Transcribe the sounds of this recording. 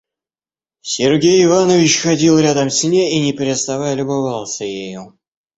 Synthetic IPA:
sʲɪrɡʲejɪvanəvʲɪt͡ɕxɐdʲilˠɾʲad̪əmsʲnʲeinʲɪpʲɾʲɪst̪ɐvajlʲʊbavalˠsʲəjeju

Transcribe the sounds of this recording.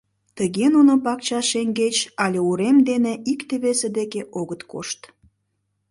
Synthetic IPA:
t̪əɣenunopɑkt͡ɕɑʃeŋɡet͡ɕɑlʲeuɾemd̪eneʔikt̪eβesed̪ekeʔoɣət̪ko̰ʃt̪

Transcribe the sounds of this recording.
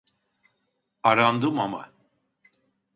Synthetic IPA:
aɾand̪ɯmama̰

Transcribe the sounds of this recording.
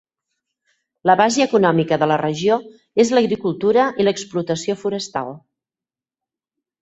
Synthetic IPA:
ləβaʒəːkunɔmikəðələrəʒio | ezləɣɾikulˠt̪uɾəʔiləksplut̪əsiofuɾəst̪a̰lˠ

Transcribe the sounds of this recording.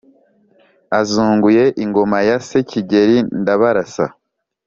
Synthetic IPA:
azuːŋɡuje̞ʔiŋɡo̞majaseciɟeɾindaβaɾasa̰

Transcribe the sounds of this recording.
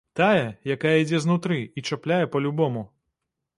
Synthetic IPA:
t̪ajɛjakajɐid͡zʲɛznut̪ɾɨit͡ʂaplʲajɛpɐlʲubɔmu

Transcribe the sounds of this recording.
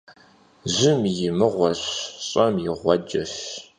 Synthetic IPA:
ʑɪmjɪmɨʁʷɔɕɕʼɐmjɪʁʷɔd͡ʒɐʃ

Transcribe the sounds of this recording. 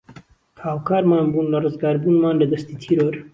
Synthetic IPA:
haːwkʰaːɾmaːnbuːnlɐrɨzɡaːɾbuːnmaːnlɐd̪ɐst̪iːt̪ʰiɾoːɾ

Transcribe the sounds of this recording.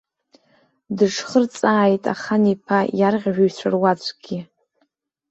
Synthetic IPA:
dɨʂχərt͡sʼaːjtʼa̰χanipʰajarʁʲʒᶣaɥt͡ɕʷʰarwat͡ɕʷʰʼɡ̥ʲɪ

